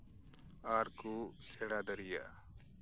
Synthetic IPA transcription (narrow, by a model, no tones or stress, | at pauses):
aɾkusɛɽad̪əɾija̰ʔ